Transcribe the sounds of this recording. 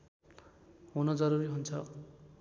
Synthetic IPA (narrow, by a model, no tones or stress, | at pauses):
ɦunʌd͡zʌɾuɾiɦunt͡sʰʌ